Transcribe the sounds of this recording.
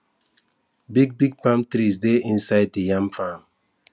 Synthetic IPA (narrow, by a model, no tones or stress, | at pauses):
biɡ̚biɡ̚pãmtɾisdeĩnsaɪd̚ːəjãŋfãm